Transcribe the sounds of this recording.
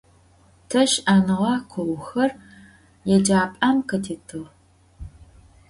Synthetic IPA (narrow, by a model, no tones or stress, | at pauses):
tʰɐʃaːnɨʁɑqʷʰɔwxɐr | jɛd͡ʒaːpʼamqʰɐtʰiːtʰɨʁ